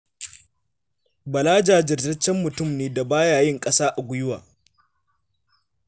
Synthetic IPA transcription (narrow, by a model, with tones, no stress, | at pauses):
bɐ˨laː˦d͡ʒaː˨d͡ʒɪ˨rdɐ˦t͡ʃːɛ˦mːʊ˨tʊ˦˨mneː˨da˨baː˦jaː˨jɪ˦ŋkʼɐ˦saː˦ʔa˨ɡʷʊ˦jʊ˦waː˨